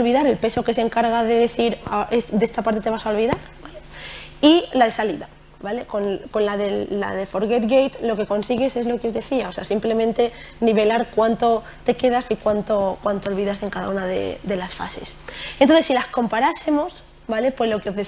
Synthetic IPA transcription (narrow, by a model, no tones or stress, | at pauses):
lβiðaɾe̞lpe̞so̞ke̞se̞ŋkaɾɣaðe̞ðeθiɾaʔed̪eest̪apaɾt̪e̞t̪e̞βasao̞lβiðaɾbale̞ilaðe̞saliða | bale̞ko̞nko̞nlaðe̞ːa̰ðe̞fo̞ɾɣe̞t̪ɣejt̪lo̞ke̞ko̞nsiɣ̞e̞se̞zlo̞keo̞zðe̞θiao̞seasimple̞mẽnt̪e̞niβe̞laɾkwant̪o̞ | t̪e̞ke̞ðasikwant̪o̞kwant̪oolβiðase̞ŋkaða̰unaðḛd̪e̞lasfa̰se̞̰sent̪onθesːilasko̞mpaɾase̞mo̞s | bale̞pwe̞zlo̞keoðe